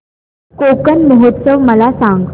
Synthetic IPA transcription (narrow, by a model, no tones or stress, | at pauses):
kokənməɦot̪səʋməlasãŋɡ